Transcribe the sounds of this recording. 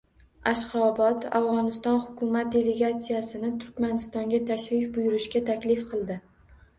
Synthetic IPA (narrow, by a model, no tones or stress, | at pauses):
aʃqɒbɒt̪a̰vʁɒnɪst̪ɒnhʊkʲʰʊmat̪̚d̪e̞le̞ɡat̪sijasɪnɪt̪ʰʊɾkʲmanɪst̪ɒŋɡʲat̪ʰaʃɾɪfbʊjʊɾɪʃkʲat̪ʰakʲlɪfqʰɨlˠd̪ɪ